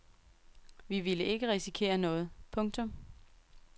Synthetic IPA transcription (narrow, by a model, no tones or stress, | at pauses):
ʋiʋiləe̝ɡ̥əʁisikʰe̝̰ːɐnɔ̽ːð̞̩ˠpʰɔ̽ŋt͡sʰɔ̽m